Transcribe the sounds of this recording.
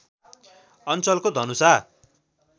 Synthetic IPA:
ʌnt͡sʌlkod̪ʱʌnusa

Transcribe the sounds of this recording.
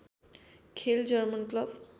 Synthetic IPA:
kʰeld͡ʑəɾmənkləb

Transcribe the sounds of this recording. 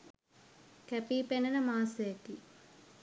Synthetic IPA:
kæpiːpenənəmaːsəjeki

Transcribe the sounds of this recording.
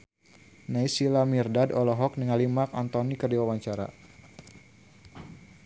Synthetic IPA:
naisilamirdadɔlɔɦɔk̚niŋalimakant̪ɔnikərdiwawaɲt͡ʃaɾa̰

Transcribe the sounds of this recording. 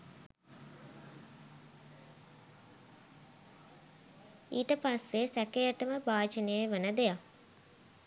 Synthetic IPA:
iːʈəpasːesækejəʈəməbaːd͡ʒenejeʋənəd̪eja

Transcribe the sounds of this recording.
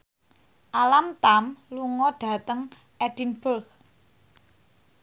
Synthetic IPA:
ʔalamt̪amluŋɔɖ̥ä̤t̪əŋ | ʔɛd̥inb̥əlk

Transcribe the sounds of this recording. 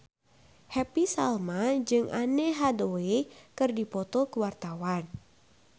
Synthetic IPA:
hɛpisalmad͡ʒɨŋʔaneɦadoekɨrdipɔt̪ɔkəwart̪awan

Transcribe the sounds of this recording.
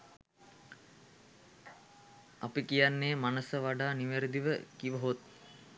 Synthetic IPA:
apikijanːeːmanəsəʋaɖaːniʋeɾəd̪iʋəkiʋəɦot̪̚

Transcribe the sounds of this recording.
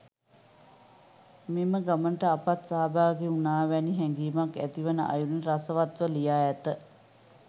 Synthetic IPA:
miməɡamənʈəapat̪saɦabaːɡeunaːʋɛniɦɛŋɡiːmakæ̰t̪iʋənəʔa̰juniɾasəʋat̪ʋəlijaːæt̪ə

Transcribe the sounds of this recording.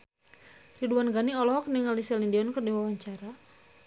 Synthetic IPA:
riduanɡaniɔlɔɦɔk̚niŋalisɛlindiɔnkərdiwawaɲt͡ʃaɾa

